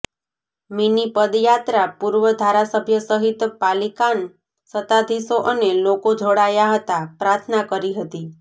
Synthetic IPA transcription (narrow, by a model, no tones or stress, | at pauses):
minipəd̪jat̪ɾapuɾʋəd̪ʱaɾasəbʱjəsəɦit̪palikan | sət̪ad̪ʱisoʔənelokod͡ʒʱoɽajaɦət̪apɾaɾt̪ʰnakəɾiɦət̪i